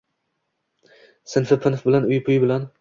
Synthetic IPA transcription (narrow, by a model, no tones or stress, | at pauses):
sɪnfɪpʰɪnfbɪlanʊjpʰʊjbɪlan